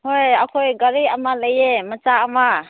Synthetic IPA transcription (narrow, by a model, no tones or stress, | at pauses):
hojakʰɔjɡəɾiamaləjemət͡ʃaːma